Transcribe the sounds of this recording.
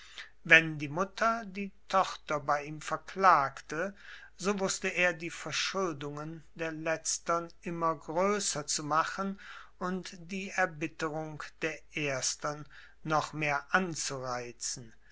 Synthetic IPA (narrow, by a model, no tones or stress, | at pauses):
vɛndiːmʊtʰɐdiːtʰɔχtɐbaɪiːmfɛɐklaːktə | zoːvʊstəeːɐdiːfɛɐʃʊldʊŋəndeːɐlɛt͡stɐnɪmɐɡʁøːsɐt͡sumaχənʔʊntd̥iːɛɐbɪtəʁʊŋd̥eːɐʔeːɐstɐnː | ɔχmeːɐʔant͡suʁaɪt͡sn̩